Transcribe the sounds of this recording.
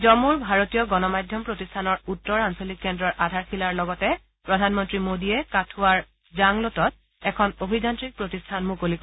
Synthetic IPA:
zɔmuɹbʱaɹotijɔɡɔnɔmajdʱjɔmpɹotistʰanɔɹutːɔɹansolikːɛndɹɔɹʔadʱaɹxʰilaɹlɔɡɔtɛ | pɹɔdʱanmɔntɹimodiɛkatʰuaɹ | zaŋlotɔt̚ | ɛkʰɔnobʱizantɹik̚pɹotistʰanmukolik

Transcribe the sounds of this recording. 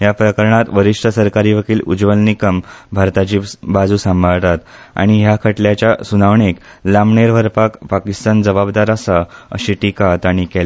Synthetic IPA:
ɦjapɾəkəɾɳat̪ʋəɾiʂʈʰəsəɾkaɾiːʋəkiːlud͡zʋəlnikəmbʱaɾt̪at͡ɕiːbad͡zuːsãmbʱaɭt̪at̪ | a̰ɽ̃iɦjakʰəʈljat͡ɕjasunaʋɳeklamɳeɾʋəɾpakpakist̪and͡zəbabd̪aɾasaə̰ɕiʈikat̪aɽ̃ikɛl

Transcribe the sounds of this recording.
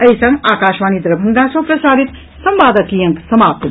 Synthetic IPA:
ɐisɐŋɡaːkaːʃʋaːnid̪ɾɐbʱɐnd̪asɐ̃wpɾɐsaːɾit̪ | sɐmʋaːd̪ɐkijɐŋksɐmaːp̚t̪

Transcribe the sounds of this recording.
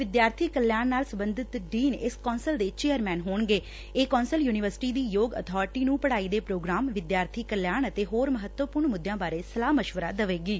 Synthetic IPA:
ʋɪd̪jaːɾt̪ʰiːkəljaːɳnaːlsəmbənd̪ɪt̪ɖiːnɪskɔːnsəld̪eːt͡ʃeːjəɾmɛ̃ːnɦoːɳɡeː | eːkɔːnsəljuːnɪʋəɾsɪ̥ʈiːd̪iːjoːɡə̰t̪ʰɔːɾʈiːnũːpəɽaːiːd̪eːpɾoːɡɾaːmʋɪd̪jaːɾt̪ʰiːkəljaːɳət̪eːɦoːɾməɦət̪wəpʊɾɳmʊd̪ːjãːbaːɾeːsəlaːməʃʋəɾa̰ːd̪əʋeːɡiː

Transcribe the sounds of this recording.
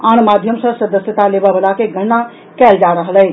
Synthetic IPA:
anmad̪ʱjəmsə̃səd̪əsjət̪alebəbəlakeɡʱənːa | kɛld͡ʒaɾəɦəlɛj

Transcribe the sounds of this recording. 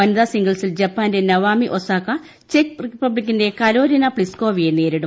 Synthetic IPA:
ɐnd̪aːsiŋɡɐɭsild͡ʑɐpːaːnde̞nɐʋaːmiʔosaːkːɐ | t͡ɕekripːɐblikʲːinde̞kɐloːɾinɐpɭisko̞ːʋijeneːɾiɽum

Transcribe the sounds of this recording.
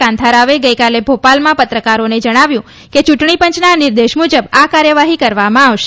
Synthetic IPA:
ãnt̪ʰaɾaʋeɡəjkalebʱopalmãpət̪ɾəkaɾoned͡ʒəɽ̃aʋjũ | ket͡ʃuʈɳipə̃ɲt͡ʃnanɪɾd̪eʃmud͡ʒəbakaɾjəʋaɦikəɾʋamãaʋʃe̥

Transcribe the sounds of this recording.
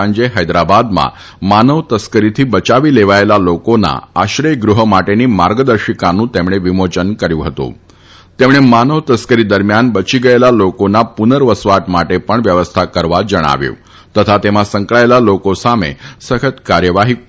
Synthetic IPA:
aɲd͡ʑeɦəjd̪ɾabad̪mã̰ | manəʋt̪əskəɾit̪ʰiːbət͡ɕaʋiːleʋaelalokona̰aɕɾəjɡɾuɦəmaʈenimaɾɡəd̪əɾɕikanũt̪emɳ̃eʋimot͡ʃənkəɾjũɦət̪ṵ̃ | t̪emɽ̃emanəʋt̪əskəɾid̪əɾmjanbət͡ɕiɡəelalokonapunəɾʋəsʋaʈmaʈepəɳʋjəʋəst̪ʰakəɾʋad͡ʒəɽ̃a̰ʋjṵ̃ | t̪ət̪ʰat̪emãsə̃ŋkɭaelalokosamḛsəkʰət̪kaɾjəʋaɦi

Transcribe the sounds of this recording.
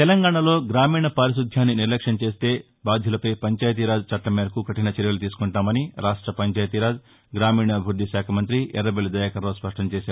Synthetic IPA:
t̪ɛlɐŋɡaːɳɐlo̞ːɡɾaːmiːɳɐpɐɾiʃud̪ʱjaːnːiniɾlɐkʂɐnɐt͡ʃe̞ːst̪e̞ː | baːd̪ʱjɐlɐpɐjpɐɲt͡ʃaːjt̪̬iɾaːd͡ʒt͡ʃɐʈːɐmeːɾɐkuɡʱɐʈinɐt͡ʃeɾjɐlut̪̬iːsu̥kuɳʈaːmɐniɾaːʂʈɾɐpɐɲt͡ʃaːjt̪iɾaːd͡ʒ | ɡɾaːmiːɳɐbʱuɾd̪ʱiʃaːkʰɐmɐnt̪ɾiʔɛɾːɐbeld̪ɐjakɐɾoːspɐʂʈʰɐɲt͡ʃeːsaː

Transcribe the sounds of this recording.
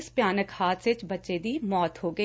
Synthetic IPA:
spjaːnəkhaːt̪set͡ʃbɐtːʃed̪iːmɔːt̪ɦoːɡɐ

